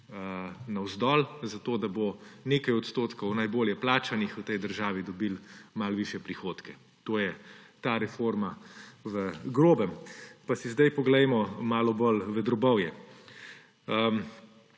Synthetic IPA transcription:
ənawzd̪ɔːlzat̪oːd̪aboneːkajɔt̪st̪oːt̪kɔwnajboːljɛplaːt͡ʃanixwt̪ɛjd̪əɾʒaːʋid̪ɔbilmalʋiːʃjɛpɾixoːt̪kɛ | t̪oːjɛt̪aːɾɛfoːɾmaʋəɡɾoːbəmpasizd̪ajpɔɡlɛjmɔmaːlɔbɔlʋɛd̪ɾɔbɔwjɛ | ə

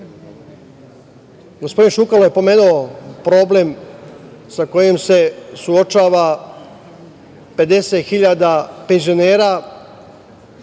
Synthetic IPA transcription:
ɡo̞spo̞d̪inʃukaloje̞po̞me̞nuopɾo̞ble̞m | sako̞jemse̞suo̞t͡ʃaːʋa | pe̞d̪e̞set̪xiʎad̪ape̞nzioneːɾa

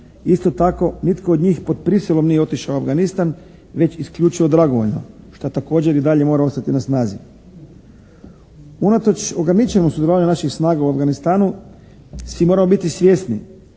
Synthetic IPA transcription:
ist̪o̞t̪ako̞nit̪koːd̪ɲiːxpod̪̚pɾiselˠo̞mnijeo̞t̪iʃaoavɡanist̪an | ʋe̞t͡ɕiskʎuːt͡ʃiʋo̞d̪ɾaɡo̞ʋo̞ʎno̞̰ | ʃt̪at̪ako̞ːd͡ʑe̞ɾid̪aʎe̞mo̞ːɾao̞st̪at̪inasnaːzi | unat̪o̞t͡ʃo̞ɡɾanit͡ʃenosud̪jelaːʋaɲunaʃixsnaːɡauavɡanist̪aːnu | sʋimo̞ːɾamo̞bit̪isʋje̞snḭ

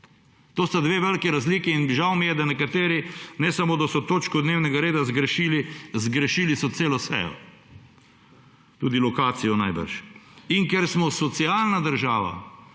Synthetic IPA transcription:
t̪oːst̪ad̪ʋeːʋɛlkiɾazliːkiːnʒawmijɛd̪anɛkat̪eːɾinɛsamoːd̪asɔt̪oːt͡ʃkɔd̪neːwnɛɡaɾeːd̪azɡɾɛʃiːlizɡɾɛʃilisɔt̪seːlɔsɛ̰jɔ̰ | t̪uːd̪ilɔkaːt̪sijɔnajbə̰ɾʃiŋkɛɾsmɔsɔt̪siaːlnad̪əɾʒaːʋa̰

